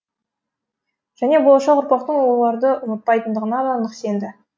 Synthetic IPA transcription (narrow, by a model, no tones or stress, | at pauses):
ʒ̥æne̞bolˠɑʃɑqʊɾpɑq̚t̪əɴwo̞lˠɑɾd̪əʔʊmət̪̚pɑjt̪ənd̪əʁənɑd̪ɑnəqse̞nd̪ɪ